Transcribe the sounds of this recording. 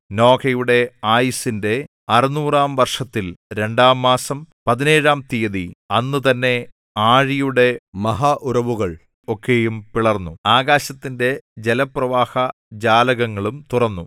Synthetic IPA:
no̞ːkɐjuɽe̞aːjisinde̞ | ɐrinuːraːmʋɐrʂɐt̪ːilɾe̞ɳɖaːmːaːsɐmpɐðine̞ːɻaːmt̪ijɐðiɐnːɨt̪ɐnːe̞ | aːɻijuɽe̞mɐɦaʔurɐʋuɣɐɭ | o̞kʰːe̞jumpiɭɐrnːuaːɣaːɕɐt̪ːinde̞d͡ʑelɐprɐʋaːhɐ | d͡ʑaːlɐɣɐŋːɐɭumt̪urɐnːu

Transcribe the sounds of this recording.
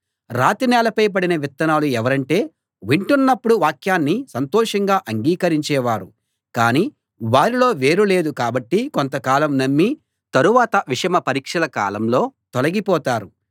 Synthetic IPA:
ɾaːt̪inɛːlɐpɐjp̬ɐɽinɐʋit̪ːɐnaːluɛʋɐɾɐɳʈe̞ː | ʋiɳʈunːɐpːuɽuʋaːkjaːnːisɐnt̪ɔːʂɐŋɡaːʔɐŋɡiːkɐɾiɲt͡ʃɛːʋaːɾu | kaːniː | ʋaːɾilo̞ːʋe̞ːɾule̞ːd̪ukaːbɐʈːikont̪ɐkaːlɐmnɐmːi | t̪ɐɾuʋaːt̪ɐʋiʂɐmɐpɐɾiːkʂɐlɐka̰ːlɐmlo̞ːt̪olɐɡipɔːt̪aːɾu

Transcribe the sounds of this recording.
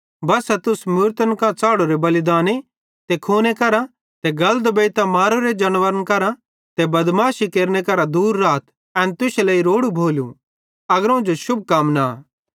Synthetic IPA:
bɐsɛt̪ʊsmʊːɾt̪ənkãt͡saːɽoɾebɐlɪd̪aːne | t̪ekʰoːnekɐɾa | t̪ɛɡɐləd̪beːt̪amaːɾoɾed͡ʒɐnʋəɾənkɐɾã | t̪ɛbɐd̪maːʃikeːɾnekɐɾad̪uːɾːaːt̪ | ɛ̃ːnt̪ʊselɐiɾoːɽubʱoːlṵ̃ | ɐɡəɾõd͡ʒoʃʊb̚ʱkaːmna

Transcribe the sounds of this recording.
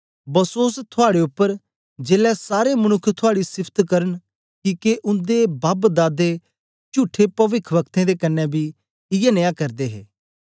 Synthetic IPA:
bɐsoːst̪ʰʊaːɽeʊpːəɾ | d͡ʒeːlɛsaːɾemɐñʊkʰːt̪ʰʊaːɽisɪpʰt̪kɐɾən | kiːkeʔʊ̃nd̪ebaːbd̪aːd̪e | t͡ʃuːʈʰːepɐʋɪkʰʋəkt̪ẽd̪ekənːɛbʱi | ɪjɛnejaːkɐɾd̪eːɦḛː

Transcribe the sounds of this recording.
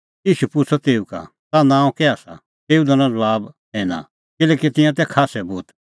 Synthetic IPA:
jiːʃupʊt͡sʰɔt̪eːuka̰ | t̪anãːũkɛaːsa̰ | t̪eːud̪ɔnãzɐbaːbɦɛːna̰ | kɪlɛːkit̪ɪ̃jãt̪ɛkʰaːsɛbuːt̪

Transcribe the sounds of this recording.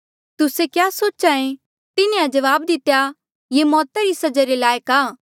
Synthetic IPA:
t̪ʊsekjaːsoːt͡ʃãẽ | t̪ɪnẽad͡ʒɐʋaːbd̪ɪt̪eja | jemɔːt̪aɾisɐd͡ʒaɾelaːjəkaː

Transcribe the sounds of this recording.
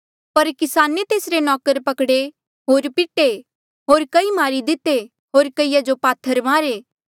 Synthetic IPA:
pɐɾkɪsaːnet̪eːsɾenɔːkəɾpɐkɽe | ɦoːɾpɪʈe | ɦoːɾkɐimaːɾid̪ɪt̪e | ɦoːɾkɐijad͡ʒopaːt̪ʰːəɾmaːɾeː

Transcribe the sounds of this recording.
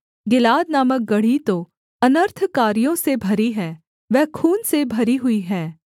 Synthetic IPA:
ɡɪlaːd̪naːmək̚ɡɐɽ̤it̪o | ɐnəɾt̪ʰkaːɾijõsebʱɐɾiɦɛː | ʋɛkʰuːnsebʱɐɾiɦʊiɦɛː

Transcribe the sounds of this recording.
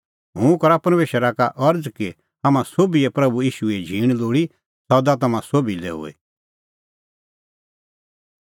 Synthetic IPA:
ɦũkɐɾapɐɾmeːʃəɾakaʔɐɾd͡zki | amãsoːbiɛpɾɐbuiːʃuɛd͡ʒʱiːɽ̃loːɽi | sɔd̪at̪ɐmãsoːbilḛɦʊ̰ːḛ

